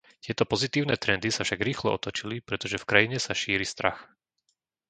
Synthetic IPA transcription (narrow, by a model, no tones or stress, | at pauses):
t̪ɪɛt̪ɔpɔzit̪iːʊnɛːt̪ɾɛnd̪isafʃaɡɾiːxlɛɔt̪ɔt͡ʃilipɾɛt̪ɔʒɛfkɾajiɲɛsaʃiːɾist̪ɾa̰x